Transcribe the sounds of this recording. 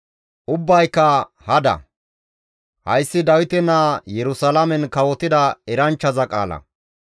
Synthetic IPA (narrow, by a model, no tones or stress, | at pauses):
ʔʊbːɐjkːɐ | hɐd̪ɐ̰ | hɐ̰jsːɪd̪ɐwɪt̪ɛnaːjɛɾʊsɐlɐmɛnkɐwɔt̪ɪd̪ɐɛɾɐnt͡ʃːɐzɐkʼa̰ːlɐ̰